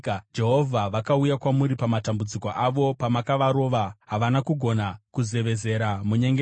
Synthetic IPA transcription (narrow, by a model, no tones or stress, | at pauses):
d͡ʒe̞ɦo̞vʱaʋakaujakwamuɾipamatambud͡ziko̞ʔaʋo̞pamakaʋaɾo̞ʋaɦaʋanakuɡʱo̞nakuze̞ʋe̞ze̞ɾamuɲeŋɡe